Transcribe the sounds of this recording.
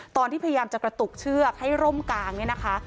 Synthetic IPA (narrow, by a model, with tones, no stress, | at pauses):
t̪ɔː˧nt̪iː˥˩a˧ja˧jaː˧mt͡ɕa˨˩kɾa˧t̪u˨˩k̚t͡ɕʰɯː˥˩ɐk̚ha˥˩jɾo˥˩mkaː˧ŋni˥˩ɐna˦kʰa˦˥